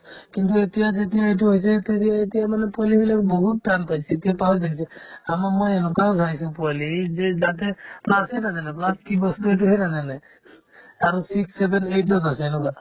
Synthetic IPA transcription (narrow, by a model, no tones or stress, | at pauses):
kint̪uet̪ijad͡ʒet̪̬ijaejʈuɦojs̬ɛt̪etiaet̪ijamanɛpalibilakbɔɦut̪̚ʈanpajsʰɛːt̪ijapaɦɔɾd̪akʰisʰɛamamojenɔkaɔsajsũpualized͡ʒat̪ɛplasejnazanɛplaskibɔst̪uet̬uɦɛjnazanɛ | aɹusiksːebɛneʈɔt̪asɛːnɔka